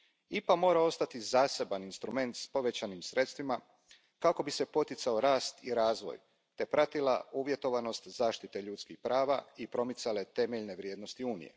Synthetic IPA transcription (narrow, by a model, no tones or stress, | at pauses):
ipamo̞ːɾao̞st̪at̪izaːse̞baninst̪ɾume̞nt̪spo̞ʋe̞t͡ɕanimsɾe̞t̪st̪ʋima | kako̞bise̞po̞t̪jit̪sao̞ɾaːst̪iɾaːzʋo̰j | t̪e̞pɾat̪ila̰uːʋje̞t̪o̞ʋano̞st̪zaːʃt̪it̪e̞ʎuːt̪skixpɾaːʋaipɾo̞mit̪sale̞t̪e̞meʎne̞ʋɾjeːd̪no̞st̪iuːnḭje̞̰